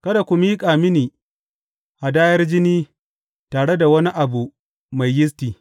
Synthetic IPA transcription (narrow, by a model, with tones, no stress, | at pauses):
kɐ˦da˨kʷu˨miː˦kʼaː˨mɪ˦niː˨ | ʔa˨daː˦jɐ˦rd͡ʒɪ˦niː˦ | taː˨ɽe˦da˨wɐ˦ni˦ʔa˨bu˨ | ma˨jːɪ˦s̬tiː˨